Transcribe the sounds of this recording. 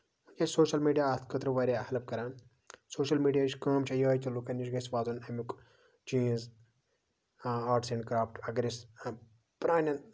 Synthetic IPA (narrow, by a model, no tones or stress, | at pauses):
ud͡ʒat͡ʃʰʲsoːʃɐlmiːɖijaːt̪ʰkʰɐt̪ɾɐʋaːɾʲehɐlɐp̚kɐɾaːn | soːʃɐlmiːɖijaːt͡ʃʰʲkɐːmt͡ʃʰɐjaːjt͡ʃɐlukɐniʃɡɐsʋaːzunɐmik | t͡ʃĩːz | aːɾʈsẽɳɖkɾaːfʈɐɡɾis | pɾaːnʲɐn